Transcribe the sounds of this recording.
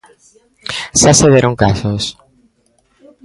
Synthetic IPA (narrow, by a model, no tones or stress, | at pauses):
ʃaseðeɾoŋkasos